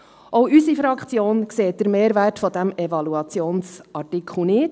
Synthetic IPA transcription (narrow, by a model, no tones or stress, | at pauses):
ʔowysifɾɑkχt͡sjoːnkseːt̚d̥̪əɾmeːɾʋærtfɔdæmɛvɑluɑt͡sjoːnsʔɑrtɪkʰχl̩nɪːt